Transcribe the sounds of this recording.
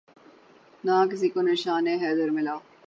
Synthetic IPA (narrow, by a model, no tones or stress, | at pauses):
naːk̬ɪs̬iːkoneʃaːneːɦɛːd̪ɐɾmɪlaː